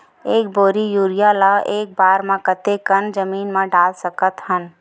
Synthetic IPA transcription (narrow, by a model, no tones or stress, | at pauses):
eːk̚boːɾijuːɾijaːlaeːk̚baːɾmãkət̪ekənd͡ʒəmiːnmãɖaːlsəkət̪ɦən